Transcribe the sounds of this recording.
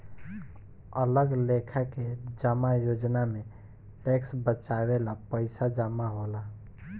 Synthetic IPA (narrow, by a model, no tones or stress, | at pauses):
ələɡlekʰaked͡ʒəmajod͡ʒname | ʈeksbət͡ʃabelapəɪsad͡ʒəmːaɦola